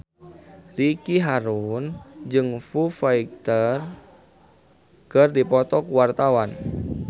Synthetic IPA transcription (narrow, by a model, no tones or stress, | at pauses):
rikiɦaɾund͡ʒɨŋfufaik̚t̪ər | kərdipɔt̪ɔkuwart̪awan